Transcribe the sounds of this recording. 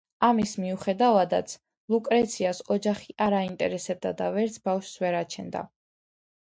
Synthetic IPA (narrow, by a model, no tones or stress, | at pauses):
amismiuχɛd̪avad̪at̪sʰ | lˠukʼɾɛt̪sʰiasɔd͡ʒaχiʔaɾaint̪ʼɛ̰ɾɛsɛb̚d̪ad̪avɛɾt̪sʰbafʃsvɛɾat͡ʃʰɛnd̪a̰